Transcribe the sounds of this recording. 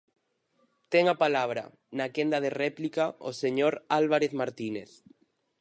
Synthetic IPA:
t̪eŋapalaβ̞ɾa̰ | nakend̪að̞erɛplikao̰seɲoɾalβaɾeθmaɾt̪ineθ

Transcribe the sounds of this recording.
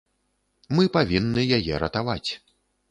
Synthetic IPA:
mɨpavʲinːɨjajɛɾɐt̪avat͡sʲ

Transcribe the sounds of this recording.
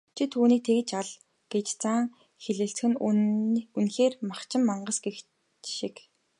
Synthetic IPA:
t͡ɕʰit̪ʰuːniːk̚t̪ʰeɣɘ̆t͡ɕaɮ | ɡ̥et͡ɕt͡saŋ | xeɮɘ̆ɬt͡sxɘ̆n | unxeːrmaχt͡ɕʰɪ̆mːaɴɢə̆sɡex | ʃik

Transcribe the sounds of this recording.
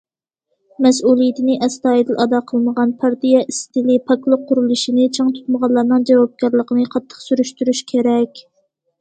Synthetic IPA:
mɛs̬ulˠijit̪ʰɪnɪʔɛst̪ɑːid̪ɪlʔɑd̪ɑqʰəlˠməʁɑnpʰæɾt̪ijɛist̪ɪlɪpʰɑklˠʊqʰːuɾulˠuʃinɪt͡ʃʰɑŋt̪ʰu̥t̪̚məʁɑlˠːɑɾnɨŋd͡ʒɛvɑb̚kɑɾlˠəqənɨqʰɑt̪ʰːə̥χsyɾyʃt̪yɾyʃkʲʰeɾɛkʲ

